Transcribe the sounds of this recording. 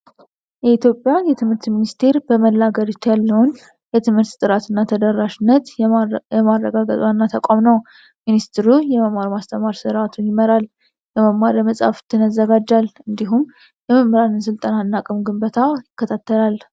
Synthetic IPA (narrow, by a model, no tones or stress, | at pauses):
jɛit̪ʰjo̞pʼːjajɛt̪ʰɨmhɨɾt̪minist̪ʰe̞ɾbəməlːaɡəɾɨt̪jalːəwn | jɛt̪ʰɨmhɨɾt̪t̪ʼɨɾat̪ʰɨnːat̪ʰəd̪əɾːaʃɪnːət̪ɛmarːəɡaɡət̪ʼwanːat̪ʰəkʷʼamnəw | minist̪ɾujɛməmaɾmast̪ʰəmaɾsɨɾat̪ʰunjɪməɾal | jɛməmaɾəməsʼa̰ft̪ʰɨnəzːəɡad͡ʒːalɨnd̪iɦum | jɛməmːɨɾanɨns̬ɨlt̪ʼənanːakʼɨmɡɨmbət̪ʰajɪkːət̪ʰat̪ʰːəlal